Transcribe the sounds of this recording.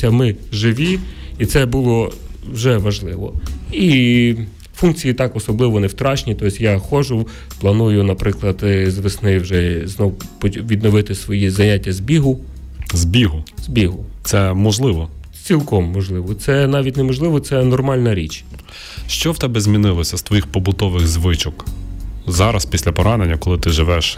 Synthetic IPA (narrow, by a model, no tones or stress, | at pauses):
ɐmɪʒɪʋʲiit̪sɛbulˠɔwʒɛʋɐʒlˠɪʋɔ̰i | funkt͡sʲijit̪ɑkɔsɔblˠɪʋɔnewt̪ɾɑt͡ʃnʲit̪ɔsʲjɑxɔʒʊ | plˠɐnujʊnɐpɾɪklˠɐd̪zʋesnɪwʒɛznɔwpɔʋʲid̪nɔʋɪt̪ɪsʋɔjizɐnʲatʲːɐzʲbʲiɦʊ | zʲbʲiɦʊz̥ʲbʲiɦʊt̪sɛmɔʒlˠɪʋɔ | t͡sʲilˠkɔmːɔʒlˠɪʋɔt̪sɛnɑʋʲit̚ʲnemɔʒlˠɪʋɔt̪sɛnɔrmɑlʲnɐɾʲit͡ʃ | ʃt͡ʃɔwt̪ɛbɛzmʲinɪlˠɔsʲɐst̪ʋɔjixpɔbʊt̪ɔʋɪɣzʋɪt͡ʃɔk | zɑɾɐspʲisʲlʲɐpɔɾɑnenʲːɐkɔlˠɪt̪ɪʒɪʋɛʃ